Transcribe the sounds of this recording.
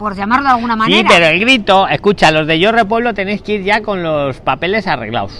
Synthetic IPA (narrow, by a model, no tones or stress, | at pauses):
poɾʎamaɾðalɣunamaniɾpeɾoelɡɾit̪o̞eskut͡ʃalo̞zðe̞ʝore̞p̬weβlo̞t̪e̞nejskiɾʝako̞nlo̞spape̞le̞sare̞̰ɣla̰ws